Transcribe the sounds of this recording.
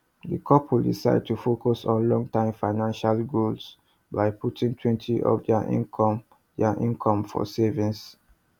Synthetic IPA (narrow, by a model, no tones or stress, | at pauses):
dəkʰɔpʰul̩dḭsa̰ɪd̚tufokɔsɔ̃nlɔ̃ŋtãɪ̃mfaɪnãnʃalɡols | baɪputĩŋtʰwɛ̃ntʰiʔɔ̰vdɛʔḭ̃nkɔm | dɛʔḭ̃nkʰɔ̃mfɔ̰sɛvĩns